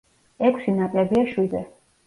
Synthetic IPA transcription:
ɛkʷʼʰsinapʼlɛbiaʃwizɛ

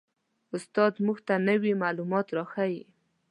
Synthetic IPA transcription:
ʊst̪ɑd̪muɡt̪anəwimalumɑt̪ɾɑxawi

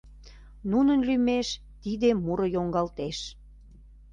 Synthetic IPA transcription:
nunənlymeʃ | t̪id̪emuɾəjoŋɡɑlt̪eʃ

